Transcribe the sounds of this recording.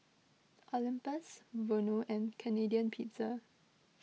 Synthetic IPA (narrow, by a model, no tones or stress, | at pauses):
ʔɔlĩmpəsvənoʔɛ̃nkʰɛnediə̃npʰitə